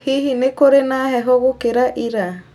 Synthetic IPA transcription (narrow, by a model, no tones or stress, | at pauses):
hiɦinekoɾenaɦɛɦoɡokeɾaʔiɾa